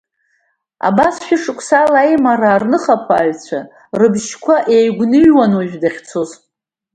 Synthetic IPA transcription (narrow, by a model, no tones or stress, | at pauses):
a̰basʃᶣɪʂɨkʷʼsalajmaraːrnɨχapʰa̰ːɥt͡sʷʰa | rɨbʃkʷʰaʔejɡʷnɨɥwanoʒᶣdaχʲt͡sʰoz